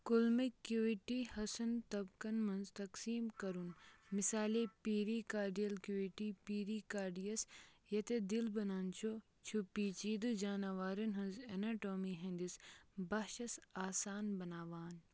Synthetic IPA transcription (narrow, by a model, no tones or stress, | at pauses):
kulmikjuːiʈihɐsɐnt̪ɐbkɐnmɐnzt̪ɐksiːmkɐɾunmɪsaːlipiːɾikaːɾɖijɐlkjuːiʈipiːɾikaːɾɖijɐsjɐt̪ed̪ilbɐnaːnt͡ʃʰo | t͡ʃʰupiːt͡ʃiːd̪ud͡ʒaːnɐʋaːɾɐnɦɐ̃nzenaːʈoːmiɦẽnd̪isbɐɦʃɐsaːsaːnbɐnaːʋaːn